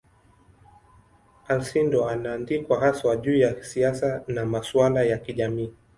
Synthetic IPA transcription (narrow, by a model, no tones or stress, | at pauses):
alsindɔanaːndikwaɦaswaʄuːjaisiasanamaswalajakiʄamiː